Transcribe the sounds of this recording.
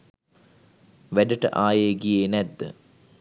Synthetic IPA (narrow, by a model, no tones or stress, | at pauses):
ʋæɖəʈə̰ʔaːjeːɡijeːnɛd̪ːə̰